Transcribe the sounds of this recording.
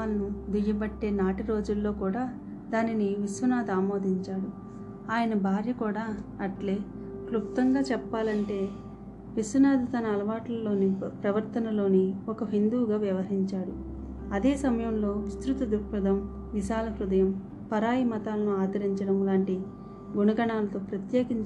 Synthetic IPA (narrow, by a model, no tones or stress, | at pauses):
aːlɐnud̪ijɐbɐʈːe̞ːnaːʈiɾo̞ːd͡ʒulːo̞ːkuːɽaː | d̪aːniniʋisʋɐnaːd̪aːmo̞ːd̪ʱiɲt͡ʃaːɽu | aːjɐnɐbʱaːɾjɐkuːɽaːɐʈle̞ː | klukt̪ɐŋɡaːt͡ʃɛpːaːlɐɳʈe̞ː | ʋisʋunaːd̪it̪ɐnɐːlɐʋaːʈlɐlo̞ːnipɾɐʋɐɾt̪ɐnɐlo̞ːniɔkɐɦind̪uːɡaːʋjɐʋɐɦiɲt͡ʃaːɽu | ɐd̪e̞ːsɐmɐjɐmlo̞ːʋist̪ɾut̪ɐd̪ukɾɐd̪ɐm | ʋiʃaːlɐɦɾud̪ɐjɐm | pɐɾaːjimɐt̪aːlɐnuaːd̪ɐɾiɲt͡ʃɐɽɐmlaːɳʈi | ɡunɐɡɐɳaːlɐt̪o̞ːpɾɐt̪jeːkiɲt͡ʃ